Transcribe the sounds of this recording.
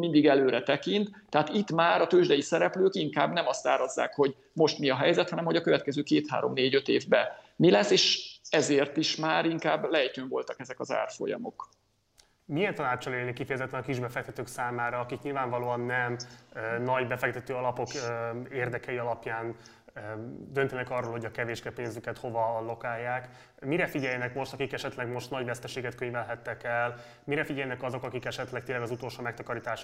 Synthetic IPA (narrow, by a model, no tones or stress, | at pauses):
mind̪iɡɛløːɾɛt̪ɛkint̪ːɛɦaːt̪it̪maːɾɒt̪øːʒd̪ɛjisɛɾɛpløːkiŋkaːbnɛmɒst̪aːɾɒzːa̰ːkho̞ɟ | mo̞ʃt̪miɒɦɛjzɛt̪hɒnɛmho̞ɟɒkøvɛt̪kɛzøːkeːt̪ha̰ːɾo̞̰mneːɟø̞t̪ḛːvbɛ | milɛsːeːʃɛzeːrt̪iʃmaːɾiŋkaːbːlɛjt̪øːɱvo̞̰lt̪ɒkɛzɛkɒza̰ːrfo̞̰jɒ̰mo̞̰k | mijɛnt̪ɒnaːt͡ʃːɒleːlnikifɛjɛzɛt̪ːɛnɒkiʒbɛfɛk̚t̪ɛt̪øːksaːmaːɾɒːkikɲilvaːɱvɒloːɒnːɛmnɒɟbɛfɛk̚t̪ɛt̪øːɒlɒpo̞keːrd̪ɛkɛiɒlɒpjaːn | d̪ønt̪ɛnɛkɒrːoːlho̞ɟɒkɛveːʒɡɛpeːnzykɛt̪ho̞vɒlo̞kaːjːaːk | miɾɛfiɟɛjɛnɛkmo̞ʃt̪ɒkikɛʃɛt̪lɛɡmo̞ʃt̪nɒɟvɛst̪ɛʃeːɡɛt̪køɲvɛlɦɛt̪ːɛkɛl | miɾɛfiɟɛjɛnɛkɒzo̞kɒkikɛʃɛt̪lɛt̪eːnlɛɡɒzut̪olʃoːmɛkt̪ɒkɒɾit̪aːʃ